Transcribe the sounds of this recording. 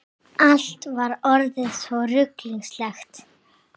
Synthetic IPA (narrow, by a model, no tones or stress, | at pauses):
al̥t̪vaɾɔɾðɪðsvɔrʏkliŋslɛxt̪